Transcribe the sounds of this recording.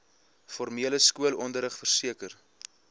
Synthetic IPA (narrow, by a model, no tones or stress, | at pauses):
fɔrmiələskuəlɔndəɾəχfərsiəkər